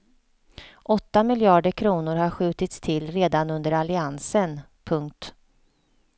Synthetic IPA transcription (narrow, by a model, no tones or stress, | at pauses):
ʔɔt̪ːamɪljɑːɖəkʰɾuːnʊɾhaɾɧʉ̟ːt̪ɪt̪st̪ʰɪlːɾeːd̪anɵnd̪əɾalɪansən | pʰɵŋk̚t̪